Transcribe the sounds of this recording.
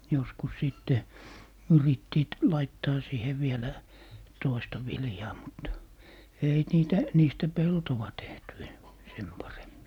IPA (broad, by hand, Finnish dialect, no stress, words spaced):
joskus siˑtːe yritːiːt lɑitːɑː siːhe ʋielæ toistɑ ʋiljɑː mut ei niːtæ niːstæ peltowɑ tehty en sem pɑremːi